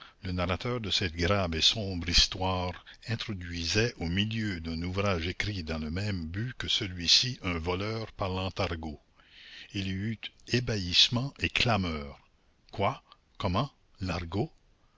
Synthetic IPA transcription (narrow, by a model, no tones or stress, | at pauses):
lənaʁat̪œːʁd̪əsɛt̪̚ɡɾavesɔ̃bʁist̪waːʁ | ɛ̃t̪ʁɔd̪ɥizɛʔomiljød̪ɛ̃nuvɾaːʒekɾid̪ɑ̃ləmɛ̃mbykəsəlɥisiʔə̃vɔlœːʁpaʁlɑ̃t̪aʁɡo | ilyyt̪ebaismɑ̃ʔekʰlamœːʁ | kwa | kɔmɑ̃ | naʁɡo